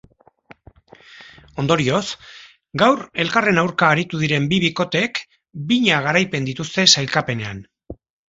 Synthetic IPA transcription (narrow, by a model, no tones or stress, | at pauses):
o̞nd̪o̞ɾio̞s | ɡawɾe̞lkare̞nawɾkaːɾit̪uð̞iɾe̞mbiβ̞iko̞t̪e̞k | biɲaɣ̞aɾajpe̞nd̪it̪ust̪e̞sajlkape̞ne̞an